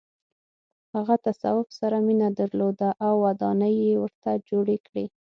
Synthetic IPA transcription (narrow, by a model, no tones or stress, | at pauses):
haɣat̪asa̰wʊpsaɾaminad̪aɾlod̪aʔawːad̪ɑnəjːewəɾt̪ad͡ʒoɽekɽi